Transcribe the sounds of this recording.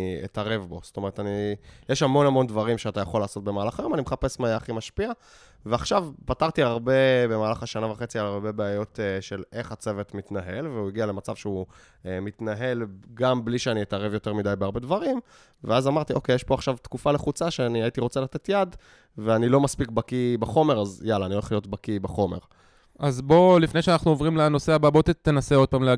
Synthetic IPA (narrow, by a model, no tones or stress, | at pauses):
ḛtaʁe̞vbo̞sto̞me̞ʁetanijeʃhamo̞nhamo̞ndvaʁimʃeat̪ajaχo̞laːso̞t̚be̞maːlaχajo̞manimeχape̞smajaaχimaʃpia | veaχʃavpataʁt̪iaʁbe̞be̞maːlaχaʃanavaχet͡sialaʁbe̞beajo̞t̪eʃele̞χat͡se̞vet̪mit̪naɦe̞lveuiɡiale̞mat͡savʃeu | emit̪naɦe̞lɡambliʃeaniitaʁevjo̞te̞ʁmidajbeaʁbe̞dvaʁim | veazamaʁt̪iʔo̞kejeʃpo̞aχʃavt̪kufale̞χut͡saʃeaniait̪iʁo̞t͡selat̪e̞t̪jad̪ | veanilo̞maspikbakibaχo̞me̞ʁazjalaːnioeχlijo̞tbakibaχo̞me̞̰ʁ | azbo̞lifnejʃeanaχnuovʁimleno̞seababot̪et̪ːenaseo̞d̚pamle